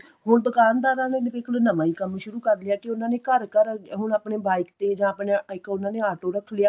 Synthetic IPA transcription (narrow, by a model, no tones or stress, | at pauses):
ɦʊɳd̪ʊkaːnd̪aːɾãːneːnɪbɪklonəmãːiːkəmʃʊɾuːkəɾlɪjaːkeʊnãːneːkəɾkəɾɦʊɳaːpɳeːbaːɪkt̪eːd͡ʒãːpɳeɪkʊnãːneːaːʈoːɾəkʰːlɪjaː